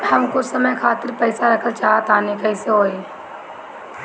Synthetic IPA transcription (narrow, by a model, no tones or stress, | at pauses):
hɐmkʊt͡ʃʰsəməjkʰaːt̪ɪɾpɛːɪsaɾɐkʰətt͡ʃaːɦat̪aːnekɐɪseɦoːeː